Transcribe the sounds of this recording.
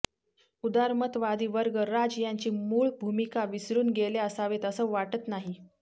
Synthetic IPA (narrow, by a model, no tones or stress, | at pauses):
ud̪aɾmət̪ʋad̪iːʋəɾɡəɾad͡ʑjaɲt͡ɕiːmuːɭbʱumikaʋisɾuːnɡeleəsaʋet̪əsəʋaʈət̪naɦi